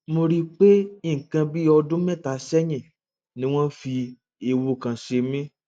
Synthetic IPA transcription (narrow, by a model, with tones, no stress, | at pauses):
mo˧ɾi˦k͡pe˦ĩ˦˨kã˧bi˦ɔ˧dũ˦mɛ̃˦˨ta˨˦sɛ˦ɲĩ˦˨ | nĩ˦w̃ɔ̃˦n˦fi˧ | e˧wo˧kã˨ʃe˧mĩ˦